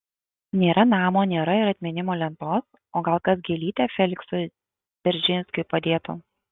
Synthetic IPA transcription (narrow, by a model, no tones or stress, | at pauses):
nʲeːɾɐnɑːmoːnʲeːɾɐɪɾɐt̪ʲmʲɛnʲɪmoːlʲɛnt̪oːs | oːɡɐlˠkɐsɡʲeːlʲiːt̪ʲɛːfʲɛlʲɪksʊ | d̪ʲɛɾʲd͡ʒʲɪnʲsʲkʊɪpɐd̪ʲeːt̪ʊ̰